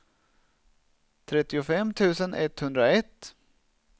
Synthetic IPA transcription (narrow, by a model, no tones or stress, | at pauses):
t̪ʰɾɛt̪ːɪʊfɛmːt̪ʰʉ̟ːsənʔɛ̰t̪ːhɵnd̪ɾaɛt̪ː